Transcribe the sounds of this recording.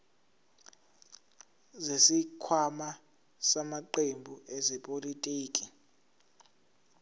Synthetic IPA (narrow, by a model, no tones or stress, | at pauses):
zesikʰwama | samaǃembʱuʔɛzɛpʼolitʼiːkʼi